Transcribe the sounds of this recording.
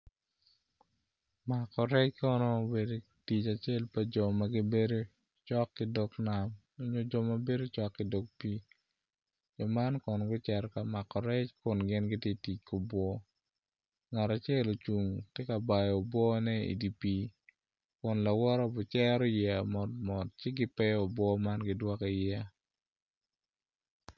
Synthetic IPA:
ma˨kːɔ˨ɾɛ˦t͡ʃkɔ˦nɔ˦˨be˨do˦ | ti˨t͡ʃa˨t͡ʃe˦˨lpa˨d͡ʒɔ˨ma˦ɡi˦be˦do˦ | t͡ʃɔ˦kːɪ˦dɔ˨kna˨m | o˦ɲo˦d͡ʒɔ˨ma˦be˦do˦t͡ʃɔ˦kːɪ˦dɔ˨k̚pi˦ | d͡ʒɔ˨ma˦nkʊ˨n˨ɡʊ˦t͡ʃɛ˨ɾka˨ma˨kːɔ˨ɾɛ˦t͡ʃkʊ˨nɡɪ˦nɡɪ˦tje˦ti˨t͡ʃko˨bwɔ˦ | ŋa˨ta˨t͡ʃe˦lo˨t͡ʃu˨ŋtjɛ˦ka˨ba˨jo˨bwɔ˦nɛ˦ḭ˨di˨pi˦ | kʊ˨nla˨wɔ˦ɾɔ˦bʊ˨t͡ʃɛ˦ɾɔ˦jɛ˨a˨mɔ˨t̚mɔ˨t̚t͡ʃɪ˦ɡɪ˦pɛ˦o˨bwɔ˦ma˦nɡɪ˨dwɔ˦ki˨jɛa˦

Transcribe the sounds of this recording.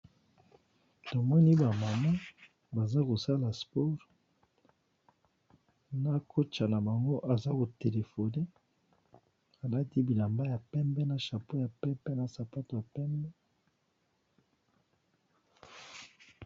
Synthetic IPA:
to˨mɔ˦ni˦ba˨ma˨ma˦ | ba˨za˦ko˨sa˦la˨spɔ˦ʁ | na˦kʰo˦t͡ʃa˨na˨ba˨ŋɡo˦ʔa˨za˦ko˨te˨le˨fo˨ne˦ | a˨la˦ti˦bi˨la˨mba˦ja˨pɛ˦mbɛ˦na˨ʃa˨po˦ja˨pɛ˦pɛ˦na˨sa˨pa˦to˨ja˨pɛ˦mbɛ˦

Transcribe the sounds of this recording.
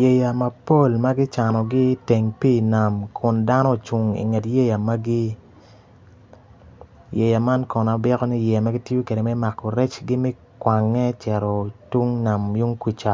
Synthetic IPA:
je˨ja˨mɐ˨po˦˨lma˦ɡɪ˦t͡ʃa˨nɔ˨ɡɪ˦te˨ŋpi˦˨na˨mkʰʊ˨nda˦nɔ˦t͡ʃu˨ŋḭ˨ŋe˨tje˦ja˨ma˦ɡi˦ | je˨ja˨ma˦nkɔ˨na˨bɪ˦kɔ˦ni˦jɛ˨ja˨ma˦ɡi˦ti˦o˦ke˨de˨mɛ˦ma˨kːɔ˨ɾɛ˦t͡ʃɡɪ˦mɪ˦ | kwa˨ŋːɛ˦t͡ʃɛ˨ɾɔ˨tu˦ŋna˨mju˦ŋkwi˨t͡ʃa˨

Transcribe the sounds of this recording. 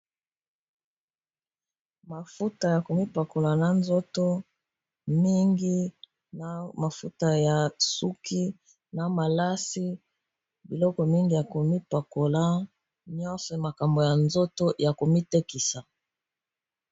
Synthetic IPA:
ma˨fu˦ta˨ja˨ko˨mi˦pa˨ko˨la˨na˨nzɔ˦to˦ | mi˦ŋɡi˦ | na˨ma˨fṵ˦ta˨ja˨su˦kʰi˦ | na˨ma˨la˦si˦ | bi˨lɔ˦kɔ˨mi˦ŋɡi˨ja˨ko˨mi˦pa˨ko˨la˦ | ɲɔ˦sɔ˨ma˨ka˨mbo˨ja˨nzo˦to˦ja˨ko˨mi˦te˦ki˨sa˨

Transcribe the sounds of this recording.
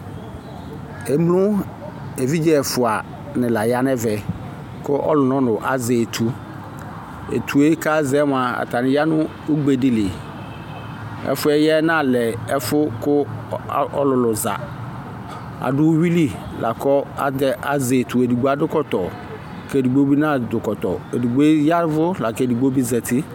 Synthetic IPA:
e˨m˦lʊ̃˦ | e˨vi˦d͡ʒɛ˦˨fʊ˨a˨ | nɪ̃˨la˨ja˦nɛ˦vɛ˨ | kʊ˦ʔɔ̰˦lʊ˨nɔ̃˦nʊ̃˨ʔa˨zɛ˨tʰu˦ | ḛ˨tʰu˨e˦ka˦zɛ˨˦m˨a˨a̰˨tʰa˨nɪ̃˨ja˦nʊ̃˦ | o˦ɡ͡be˨dɪ˨lɪ˨ | ɛ̰˦fʊ˦ɛ˦jɛ˦nã˦˨lɛ˨ɛ˦fʊ˦kʊ˦ | ɔ̰˦lʊ˨lʊ˨za̰˨ | a̰˨dʊ˦wi˦li˦lʔa˨kɔ˦a̰˨dɛ˦a̰˨ze˨tu˨e˨du˨ɡ͡bo˦a˦dʊ˦kɔ˦tɔ˨ | ke˦˨di˨ɡ͡bo˦bi˦nã˦˨dʊ˨kɔ˨tɔ̰˨e˨di˨ɡ͡be˦ja˦ɾvʊ˦la˨kɛ˦di˨ɡ͡bo˦bi˦zɛ˨tɪ˦

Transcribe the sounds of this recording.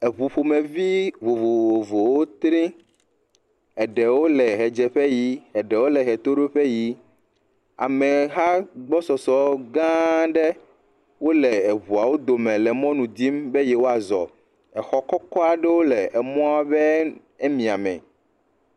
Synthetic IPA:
ɛ˨βu˨ɸo˨mẽ˨vi˦βo˨vo˨o˨vo˨wo˦t̪ɾĩ˦ | ɛ˨ɖɛ˨wo˦lɛ˨ɦɛ˨d͡ʒɛ˨ɸɛ˦ji˦ɛ˨ɖɛ˨wo˦lɛ˨ɦɛ˨t̪o˦ɖo˦ɸɛ˦ji˦ | a̰˨mɛ˨ɦa˦ɡ͡bɔ˦sɔ˨sɔ˨ɡã˦ɖɛ˦ | wo˦lɛ˨βu˨a˨wo˦d̪o˨mɛ̃˨lɛ˨mɔ̃˦nũ˨d̪i˦mbe˦jɛ˨wo˦a˨zɔ̰˨ | ɛ˨xɔ˦kɔ˦kɔ˦a˨ɖɛ˦wo˦lɛ˨ʔɛ˨mɔ̃˦a˨bɛ˦ | e˦mĩ˨a˨mɛ̰̃˨

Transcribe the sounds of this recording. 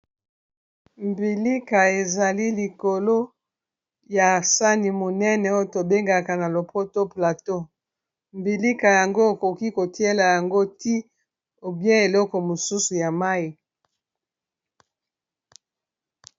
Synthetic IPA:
mbi˨li˦ka˨e˨za˨li˦li˨ko˨lo˦ | ja˨sa˦ni˨mo˨nɛ˦nɛ˨o˦jo˦˨to˨be˦ŋɡa˨ka˨na˨lo˨po˦to˦pla˨to˦ | mbi˨li˦ka˨ja˨ŋɡo˦e˨ko˨ki˦ko˨ti˦e˦la˨ja˨ŋɡo˦ti˦ | o˨bjɛ̃˦e˨lɔ˦kɔ˨mo˨su˦su˨ja˨ma˦i˨

